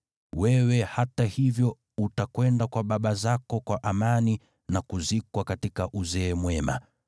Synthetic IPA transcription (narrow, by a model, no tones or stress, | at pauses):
wɛwɛhatahivjɔ | utakwɛndakwaɓaɓazakɔkwaʔamani | nakuzikwakatikaʔuzɛːmwɛma̰